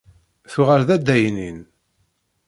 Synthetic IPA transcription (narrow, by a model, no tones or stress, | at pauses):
θuʁəɾðæd̪ːæjnin